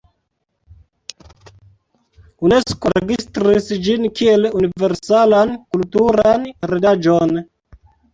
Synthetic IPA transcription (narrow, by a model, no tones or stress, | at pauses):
uneskoɾeɡistɾisd͡ʒinkielunive̞ɾsalankultuɾanɾedad͡ʒon